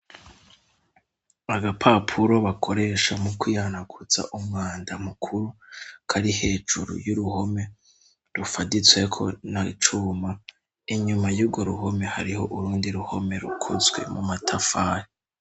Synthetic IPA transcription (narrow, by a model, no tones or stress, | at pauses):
βaɡapʰapʰuɾo̞βakʰo̞ɾe̞ʃamukwijanakʰut͡sa̰ʔumŋaːndamukʰuɾukʰaɾihe̞ːd͡ʒuɾṵjuɾuho̞me̞ | ɾufadit͡swe̞kʰo̞̰nait͡ʃuːma | iɲumajuːbɡo̞ɾuɦo̞me̞ha̰ɾiho̞ʔuɾuːndiɾuho̞̰me̞ɾṵkʰo̰zɡwe̞̰mumatʰafaːɾi